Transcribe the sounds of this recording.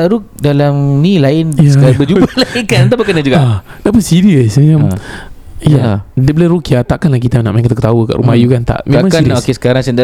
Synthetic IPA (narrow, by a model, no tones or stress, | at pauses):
aɾuk̚dalamnĩlaɪnjsəkabəd͡ʒubalaɪkant̪apakənad͡ʒuɡaʔanaʔbəsiɾiəsmam | jadəbələɾukiat̪aʔkanlahkit̪ana̰ʔmaj̃ŋkət̪akət̪awəka̰ʔɾumajukant̪a̰ʔmẽmãŋkiiokesə̥kaɾaŋsənda